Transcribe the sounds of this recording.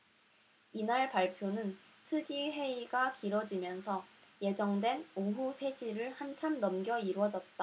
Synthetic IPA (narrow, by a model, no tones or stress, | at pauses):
inaɭpaɭpʰjonɯn | tʰɯɡiɦe̞iɡakiɾwʌd͡ʑimjʌnsʰʌje̞d͡ʑʌŋdwe̞noɦusʰe̞ɕʰiɾɯɭhant͡ɕʰamnʌmɡjʌiɾwʌd͡ʑʌt̚t͈a